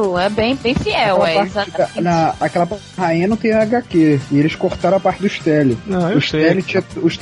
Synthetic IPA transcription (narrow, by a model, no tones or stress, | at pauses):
ɛbẽj̃bẽj̃fiɛwɛɛaɾzaanɐakɛlɐp | ɦaĩɲɐnɐ̃t̪ẽɲ̃ɐaɡakeɪelɪskoɾt̪aɾ̃apaɾt͡ʃɪd̪ʊɪʃt̪ɛlɪaʊʃɛlɪt͡ʃĩɐʊʃt̪